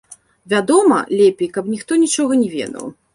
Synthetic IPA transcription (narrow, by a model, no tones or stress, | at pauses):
vʲad̪ɔmɐ̰lʲɛpʲejkɐpnʲixt̪ɔnʲit͡ʂɔɣɐnʲɛvʲɛ̰d̪ɐ̰w